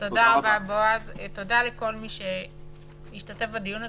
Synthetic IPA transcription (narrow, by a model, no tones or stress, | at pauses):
todaʁababoazt̪o̞daleko̞lmiʃe | jiʃtate̞fbad̪ijuna